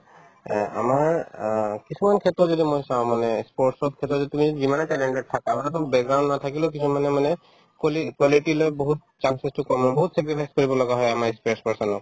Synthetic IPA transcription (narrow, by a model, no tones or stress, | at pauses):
ɛa̰maɹ | kisumankʰɛtːɔzɔdimojsaʊ̃manɛspɔɹʈsɔt̚kʰɛtɔzɔditumizɔdizimanɛtɛlɛɳʈɛʈ̚tʰːakamatɔbɛk̚ɡɹaw̃ɳɖnatʰakilʊ̃kisʰumanɛmanɛ | klikwaliʈilojbɔɦut̚ | t͡ʃansɛstukɔmnɔbɔɦutsɛk̬ɹipʰajskɔɹibɔlɔɡaɦɔjamaɹspespaɹsɔnɔk